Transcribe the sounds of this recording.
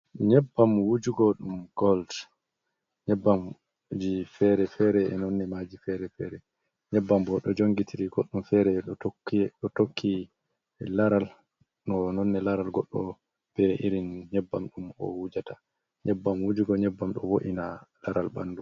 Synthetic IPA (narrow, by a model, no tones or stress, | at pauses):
ɲɛbːamwud͡ʒuɡɔɗumɡ̥ɔld | ɲɛbːam | d͡ʒifɛɾɛfɛɾɛɛnɔnːɛmad͡ʒifɛɾɛfɛːɾɛ | ɲɛbːambɔɗɔd͡ʒoŋɡitʰiɾiɡoɗːumfɛɾɛɗɔokːiɗɔtokʰːi | laɾal | nɔnɔnːɛlaɾalɡɔɗːɔ̰ | b̥ɛʔiɾinɲɛbːamɗumɔ̰wud͡ʒata | ɲɛbːamwud͡ʒuɡɔɲɛbːamɗɔwoʔinalaɾalba̰ndu